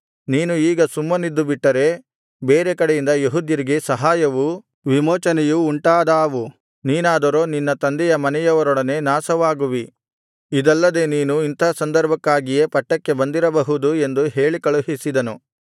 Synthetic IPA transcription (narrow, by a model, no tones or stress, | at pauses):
niːnuiːɡɐsumːɐnid̪ːubiʈːɐɾe̞ | beːɾekɐɽejind̪ɐjeɦud̪jɐɾiɡe̞sɐɦaːjɐʋu | ʋimoːt͡ʃɐnɛjuːɳʈaːd̪aːʋu | niːnaːd̪ɐɾo̞ːninːɐt̪ɐnd̪ɛjɐmɐnɛjɐʋɐɾɔɽɐne̞ːnaːsɐʋaːɡuʋi | id̪ɐlːɐd̪e̞niːnuint̪ʰaːsɐnd̪ɐɾbʱɐkːaːɡijepɐʈːɐkːe̞bɐnd̪iɾɐbɐɦud̪ue̞nd̪uɦe̞ːɭikɐɭuɦisid̪ɐnu